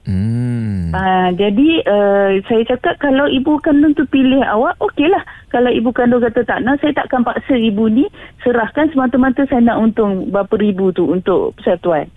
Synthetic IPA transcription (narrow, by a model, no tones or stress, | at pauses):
ad͡ʒadiəsajat͡ʃakat̪̚kalawibukandʊŋt̪upilɪɦa̰waʔokelahkalawibukandʊŋkat̪ət̪aʔnasajat̪a̰ʔakanpaʔsəibunisəɾahkansəmat̪əmat̪əsajanaʔunt̪ʊŋbapəɾibut̪uunt̪ʊʔpəsaft̪uan